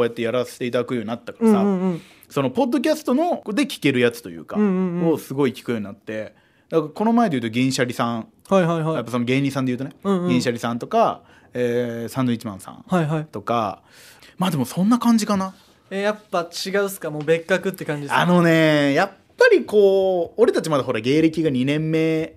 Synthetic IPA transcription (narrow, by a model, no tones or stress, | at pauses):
ojat̪ːe̞jaɾase̥t̪e̞it̪ad̪akɯ̟jo̞ɲ̟inat̪ːakaɾasã | so̞no̞po̞d̪ːo̞kʲasɨ̥t̪o̞no̞d̪e̞kʲi̥ke̞ɾɯ̟jat͡sɨ̥t̪o̞jɯ̟̰ːkãosɨɡo̞ikʲi̥kɯ̟jo̞ːɲ̟inat̪ːe̞ | d̪akaɾko̞no̞maed̪eiɯ̟t̪o̞ɡʲẽɰ̃ɕaɾʲisãŋ | haiaiajapːasono̞ɡe̞ːɲʲːisãnd̪eɯ̟ːt̪onẽɡẽɕaɾʲisãnt̪o̞ka | eːsãnd̪oit͡ɕimã̰ɰ̃sã̰ŋhajɦait̪o̞ka̰ | maːd̪emo̞sõ̞nːakãɲ̟d͡ʑikana | ejapːat͡ɕiɡaɯ̟sɨ̥kamoːbe̞kːakɯ̟t̪ːekãɲd͡ʑiano̞ne̞japːaɾʲiko̞ːoɾe̞t̪at͡ɕimad̪aɦo̞ɾaɡe̞ːɾe̞kʲiɡaɲ̟inẽ̞mːe̞ː